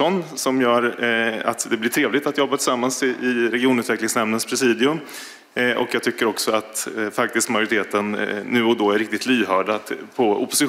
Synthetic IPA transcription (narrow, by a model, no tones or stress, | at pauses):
ɔnsɔmjœːɾa̰t̪d̪ɛblɪʈʰɾeːvlɪɡ̚t̪at̪jɔbːat̪ʰɪ̥samːansɪʔɪɾɛɡɪuːnʉ̟ːt̪vɛklɪŋsnɛmnənspʰɾɛsiːd̪ɪɵm | ʔɔ̰kjaːɡt̪ʏkːəɾɔksɔat̪fak̚t̪ɪst̪majʊɾɪt̪ʰeːt̪ənːʉ̟ːɔd̪ɔæɾɪk̚t̪ɪt̪lyːɦœːɖapʰɔʊ̰pːʊsɪ